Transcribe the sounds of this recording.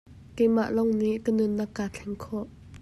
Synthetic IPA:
kɛjma̰ʔlɔŋniʔkənʊnːɐkːaːt͡ɬʰɛŋkʰɔʔ

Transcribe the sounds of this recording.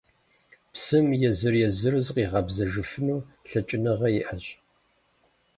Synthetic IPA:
psɨmjɛzɨrjɛzɨrɨzqiːʁɐbzɐʒɨfɨnuːɬɐt͡ʃʼɪnɐʁɐjɪʔɐɕ

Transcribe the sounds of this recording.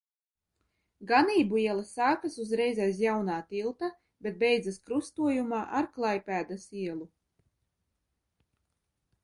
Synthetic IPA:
ɡaniːbuiɛlˠasaːkasuzɾɛjzɛjs̬jawnaːt̪ilˠt̪a | bet̪̚bɛjd̪zaskɾust̪uɔjumaːʔaɾklˠajpʲæːd̪asiɛlˠu

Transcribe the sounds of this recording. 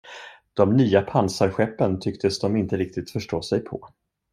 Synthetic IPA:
d̪̥ɔmnyːapʰansaɾɧɛpːənt̪ʰʏkt̪ʰəsd̪ɔmɪnt̪əɾɪk̚t̪ɪt̪fœʂʈoːsɛjpʰɔ̰

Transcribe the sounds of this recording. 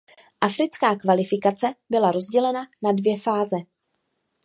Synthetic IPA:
ʔafɾɪt͡skaːkvalɪfɪkat͡sɛbɪlaɾo̞zɟɛlɛnanadvjɛfaːzɛ

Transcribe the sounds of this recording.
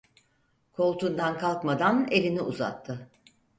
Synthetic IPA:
kʰo̞lˠt̪ʰund̪ankʰalˠkmad̪anelʲiniuza̰t̪ʰːɯ

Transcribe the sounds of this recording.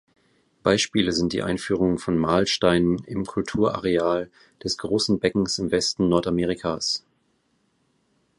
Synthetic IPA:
b̥aɪʃpiːləzɪnt̚d̥ḭːʔa̰ɪnfyːʁ̞ʊŋfɔnmaːlʃtaɪnənɪmkʰʊltʰuːɐʔa̰ʁeaːl | d̥ɛsɡ̥ʁoːsn̩bɛkŋ̩sɪmvɛstn̩nɔɐtameːʁikʰaːs

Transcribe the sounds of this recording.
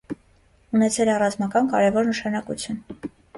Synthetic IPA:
unɛt͡sʰɛlɛrɑzmɑkɑnkɑɾɛvɔɾnəʃɑnɑkut͡sʰjun

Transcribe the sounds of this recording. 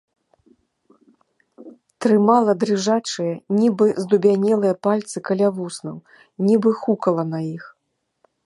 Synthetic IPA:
t̪ɾɨmalˠɐd̪ɾɨʐat͡ʂɨjɐnʲibɨzd̪ubʲanʲɛlˠɨjɐpalʲt̪sɨkɐlʲavusnɐw | nʲibɨxukɐlˠɐnajix

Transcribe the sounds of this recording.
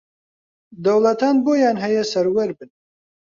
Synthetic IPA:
d̪ɐwlɐt̪aːnboːjɑːnɦɛjɛsɐɾwɛɾbɨn

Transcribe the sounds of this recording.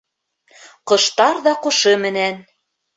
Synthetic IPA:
qɤ̆ʃt̪ɑɾðɑqŏʃɤ̆mɘ̆næn

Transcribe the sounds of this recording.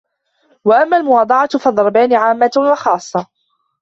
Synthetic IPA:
waʔamːaːlmʊwɑːd̪ˤɑʕɑfɑd̪ˤɑɾˤɑbaːniːʕaːmːat̪ʊwɑxɑːsˤːɑ

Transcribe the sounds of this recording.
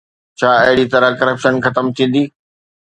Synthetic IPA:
t͡ɕʰaːɐɦɪɽit̪ɐɾəkɐɾəpʃənxɐt̪əmt̪ʰĩːn̆d̪iː

